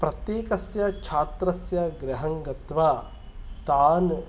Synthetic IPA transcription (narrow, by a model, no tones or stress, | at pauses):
pɾɐt̪jeːkɐsjɐt͡ʃʰaːt̪ɾɐsjɐɡɾɐɦɐŋɡɐt̪ʋɐ | t̪aːn